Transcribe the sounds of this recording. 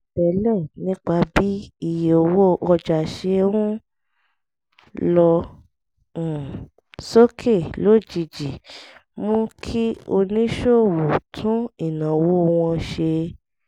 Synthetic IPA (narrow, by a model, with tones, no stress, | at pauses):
bɛ˨lɛ̃˦˨nĩ˦k͡pa˧bi˦i˦˨jo˧˨wo˦ʔɔ˧d͡ʒa˨ʃe˧ũ˦ | lɔ˧˨ | so˦kʰe˦˨lo˨˦˨d͡ʒi˧˨d͡ʒi˨mũ˦kʰi˦o˧nĩ˦ʃo˦˨wu˨tʰũ˨˦i˦˨nã˨wo˦˧w̃ɔ̃˧ʃe˧